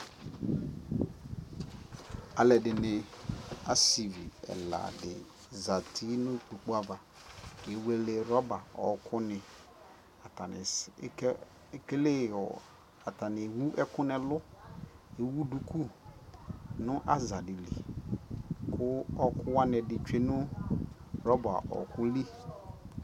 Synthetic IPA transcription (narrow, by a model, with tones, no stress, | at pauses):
a˨lɛ˨dɪ˨nɪ˨a˦si˨vi˨ɛ̰˨la̰˨dɪ̰˨ | za˨tʰi˦nʊ̃˦˨k͡pu˨k͡pu˦a˦va˨ | ke˨we˦le˨ɾɔ˦ba˨ɔ˨˦kʰʊ˦nɪ̃˨ | a˨ta˨nɪ̰˨˦ | ke˦le˦˨ɔ˨ | a˨ta˨nɪ˨wu˦ʔɛ˦kʊ˦nɛ˨lʊ˦ | e˨wu˦du˨ku˦ | nʊ̃˦ʔa˦za˨dɪ˨lḭ˨ | kʰʊ˦ɔ˦kʰʊ˦wa˦nɛ˨dɪ˨t͡ʃᶣe˦nʊ̃˦ | ɾɔ˦ba̰˨ʔɔ̰˨kʊ˦li˦